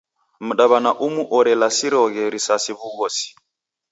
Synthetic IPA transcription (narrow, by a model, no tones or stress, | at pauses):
m̩ɗaβanaʔumuʔɔɾɛlasiɾɔɣɛɾisasiβuɣɔsi̥